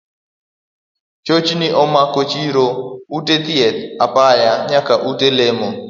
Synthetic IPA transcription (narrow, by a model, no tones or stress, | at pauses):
t͡ʃot͡ʃiniʔɔmakot͡ʃiɾoutet̪iɛt̪̚apajaɲakaʔutelemo